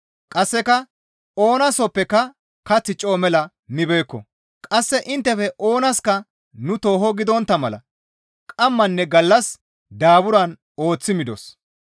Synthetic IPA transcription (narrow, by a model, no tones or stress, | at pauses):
kʼɐsːɛkɐ | o̞ːnɐsɔpːɛkɐ | kɐt͡sːɪt͡ʃʼːɔmɛlɐ | mɪbeːkːɔ̰ | kʼɐsːɛʔɪnt̪ːɛfɛʔo̞ːnɐskɐ | nʊt̪o̞ːɦɔɡɪd̪ɔnt̪ːɐmɐlɐ̰ | kʼɐmːɐnːɛɡɐlːɐs | d̪aːbʊɾɐn | o̞ːt͡sːɪmɪd̪ɔ̰s